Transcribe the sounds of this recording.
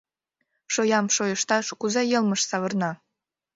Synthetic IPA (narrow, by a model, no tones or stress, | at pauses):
ʃojɑmʃojəʃt̪ɑʃkuzɑjɤlməʃsɑβərnɑ